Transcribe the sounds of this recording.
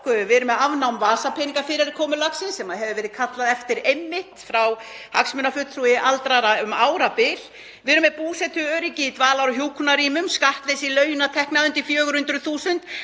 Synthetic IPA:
kʏʏvɛːɾʏmɛavnawmvaːsapʰɪːniŋkaɾfɪɾɪɾɪkʰɔːmʏlaksɪnsːɛmaðɦɛvɪvɛːɾɪðkʰat̪laðɛft̪ɪɾejmːɪht̪fɾaw | haksmʏnafʏt̪θɾuːjɪʔalt̪ɾaɾaʏmaːwɾapɪl | vɛːɾʏmːɛpuːsɛt̪ʰʏœːɾicɪit̪vaːlawɾʏçjuːkʰʏnaɾiːmʏmskaht̪lesilœːɥjʏnaðt̪ʰɛhknaðʏnt̪ɪfjœːɣʏɾhʏnt̪ɾʏθuːsʏnt̪

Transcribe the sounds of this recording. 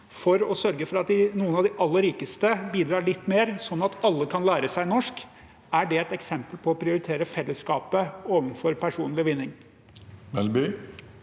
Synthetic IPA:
fɔɾɔsœɾɡəfɔɾɑt̪̚d̪ɪnuːənɑʋd̪ɪʔɑlːəɾiːkəst̪əbiːd̪ɾɑːɭɪt̪ːmeːɾsɔnːɑt̪ɑlːəkʰɑnlæːɾəsæɪnɔʂk | æɖɛɛt̪ɛksɛmpəlpʰɔːpʰɾɪʊɾɪt̪ʰeːɾəfɛlːəskɑːpəoːʋənfɔɾpʰæʂuːnlɪʋɪnːɪŋ | mɛlby

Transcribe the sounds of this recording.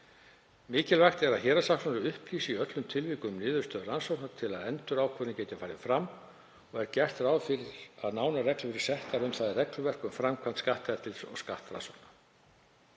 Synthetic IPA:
mɪːcɛlvajxt̪ɛɾaðçɛːɾasaksɔnʏɾʏhpliːsɪiœt̪lʏmt̪ʰɪlviːkʏmnɪːðʏɾ̥st̪œːðransɔwknat̪ʰɪlaðɛnt̪ʏɾaːwkʰœnɪcɛːjt̪ɪfaːjɾɪfɾamː | ɔɣɛɾcɛr̥t̪ɾaːwðfɪɾɪɾ̥aðnaːwnarɛklʏfɪɾɪ̥sɛht̪aɾʏmθaðɪrɛklʏvɛr̥kʏmfɾamkʰvant̪skaht̪ɛɾt̪ɪlsɔ̰ɣska̰ht̪ra̰nsɔwknḁ

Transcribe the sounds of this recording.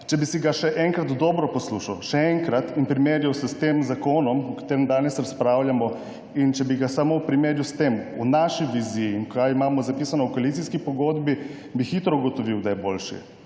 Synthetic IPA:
t͡ʃɛbisiɡaʃɛʔɛŋkɾat̪d̪ɔːbɾɔpɔsluʃawʃɛɛŋkɾat̪inpɾimeːɾjawsɛst̪eːmzakoːnɔmɔkḁt̪eːɾɛmd̪aːnɛsɾaspɾaːwljamɔ | int͡ʃɛbiɡasamowpɾimeːɾjust̪eːmunaʃiʋizijiːnkaimaːmɔzapiːsanɔwkoalit̪siskipɔɡoːd̪bi | bixiːt̪ɾɔuɡɔt̪ɔʋiwd̪ajboːlʃḭ

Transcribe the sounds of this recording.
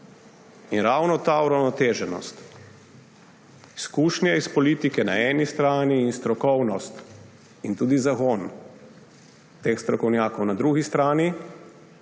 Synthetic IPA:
inɾawnɔt̪auɾawnɔt̪eːʒɛnɔ̰st̪ | iskuːʃnjɛispɔliːt̪ikɛna̰ɛːnist̪ɾaːniːnst̪ɾɔkɔwnɔst̪ | int̪uːd̪izakon | t̪eːxst̪ɾɔkɔwnjaːkɔwnad̪ɾuːɡist̪ɾaːni

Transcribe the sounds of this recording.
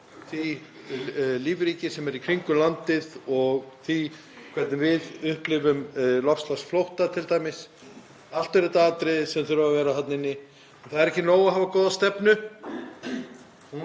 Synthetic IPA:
θi | liːvɾiːcɪsɛmɛɾikʰɾiŋkʏlant̪ɪðɔɣθi | kʰvɛt̪nɪvɪðʏhplɪvʏmlɔfslasflowht̪at̪ʰɪlt̪ajmɪs | al̥t̪ʏɾɪt̪aaːt̪ɾɪsɛmθʏɾavavɛːɾaθat̪nɪnːɪ | ɛnθaðɾɛhcɪnoːwaɦavakɔːðast̪ɛpnʏ

